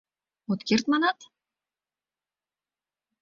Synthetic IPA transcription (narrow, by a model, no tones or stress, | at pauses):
ot̪kʲirt̪manat̪